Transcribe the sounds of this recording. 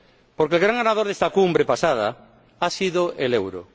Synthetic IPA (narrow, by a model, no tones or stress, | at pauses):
poɾkelɣɾaŋanað̞oɾðest̪akumbɾepasað̞a̰ | asiðoʔelewɾo̰